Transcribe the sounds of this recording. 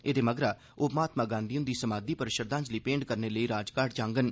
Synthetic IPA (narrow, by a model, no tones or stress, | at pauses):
eːd̪eːməɡɾaː | oːpmaːt̪mãːɡãːnd̪iːʊ̃nd̪iːsəmaːd̪iːpəɾʃəɾd̪ãːd͡ʒləiːpẽːɳɖkəɾneːləiːɾaːd͡ʒkaːɾʈd͡ʒãːŋɡən